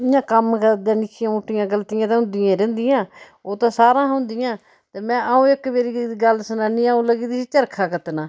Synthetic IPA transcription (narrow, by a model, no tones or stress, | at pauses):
ɪjãːkəmkəɾd̪ãːnɪt͡ʃɪjãːuʈːjãːɡəlt̪ijãːt̪ẽɦʊ̃nd̪ɪjãːɾɛ̃ːnd̪ɪjãː | oːt̪ãːsaːɾãːɦʊ̃nd̪ɪjãː | t̪eːmɛ̃ːʔaũːɪkmeːɾiːɡəlsənaːniːãːũːləɡiːd̪iːsiːt͡ʃəɾkʰaːkət̪naː